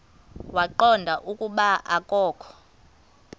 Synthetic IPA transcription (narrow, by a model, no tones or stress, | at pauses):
waǃɔndʱaʔukʼuɓaʔakʼɔːkʰɔ̥